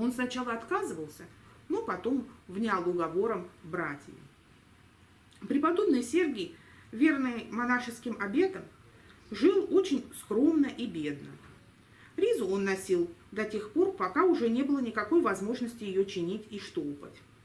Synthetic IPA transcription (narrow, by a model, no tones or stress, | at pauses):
o̞nsnɐt͡ɕalˠəɐt̪kazɨvəlˠsʲə | no̞pɐt̪o̞mvnʲalˠʊɡɐvo̞ɾəmbɾatʲjɪ̰ | pɾʲɪpɐd̪o̞bnɨjsʲerɡʲej | vʲe̞rnɨjmɐnaʂɨskʲɪmɐbʲe̞t̪əm | ʐɨlˠo̞t͡ɕɪnʲskɾo̞mnəʔibʲe̞d̪̚nə | ɾʲizʊo̞nːɐsʲilˠd̪ɐtʲe̞xpo̞rpɐkaʊʐɛnʲe̞bɨlˠənʲɪkɐko̞jvɐzmo̞ʐnəsʲtʲɪjɪjo̞t͡ɕɪnʲitʲiʂt̪olˠpə̰tʲ